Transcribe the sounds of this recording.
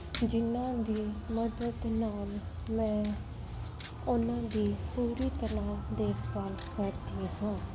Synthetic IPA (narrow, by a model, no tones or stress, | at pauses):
d͡ʒɪnãːd̪iːməd̪əd̪naːl | mɛ̃ː | ʊnãːd̪iːpuːɾiːt̪əlãːd̪eːɾpalkəɾd̪iːhãː